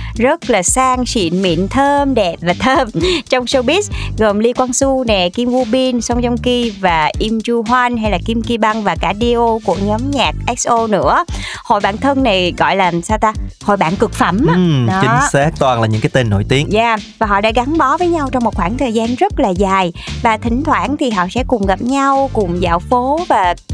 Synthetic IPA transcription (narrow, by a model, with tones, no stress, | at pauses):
zə˦˥t̚laː˨˩saː˧ŋsḭ˧˨ənmḭ˧˨ənt̪ʰəː˧mɗɛ˨˩p̚vaː˨˩t̪ʰəː˧mt͡ɕɔ˧wŋ͡msə˧wɓi˦˥t̚ɣə˨˩mli˧kwaː˧nsu˧nɛ˨˩ki˧mʔu˧ɓi˧nsɔ˧wŋ͡mzɔ˧wŋ͡mki˧vaː˨˩ʔi˧mt͡ɕu˧ɦwa˧nɦa˧jlaː˨˩ki˧mki˧ɓa˧ŋvaː˨˩kaː˧˩ɗi˧ʔo˧ku˧˩əɲɔ˨˦mɲaː˨˩k̚ʔɛ˦˥ksʔo˧nɨ̰˧˥əho̰˧˨jɓa̰ː˧˨nt̪ʰə˧nːna˨˩jɣɔ̰˧˨jlaː˨˩saː˧wt̪aː˧ho̰˧˨jɓa̰ː˧˨nkɨ˨˩k̚fə˧˩m˧ɨ˨ɗɔ˨t͡ɕi˨˦ŋ̟saː˦˥k̚t̪waː˧nlaː˨˩ɲɨ̰˧˥ŋkːaː˨˦jt̪e˧nːo̰˧˩˨jt̪i˨˦əŋzaː˧˩vaː˨˩ɦɔ̰˧˨ɗa̰ː˧˥ɣa˨˦ŋɓɔ˨˦vəː˨˦jɲa˧wt͡ɕɔ˧wŋ͡mmo˨˩t̚xwaː˧˩ŋt̪ʰəː˨˩jzaː˧nzə˦˥t̚laː˨˩zaː˨˩jvaː˨˩t̪ʰï˧˩ŋ̟t̪ʰwa̰ː˧˩nt̪ʰi˨˩ɦɔ̰˧˨sɛ̰˧˥kʊ˨˩ŋ͡mɣa˨˩p̚ɲa˧wkʊ˨˩ŋ͡mza̰ː˧˨˩wfo˨˦vaː˨˩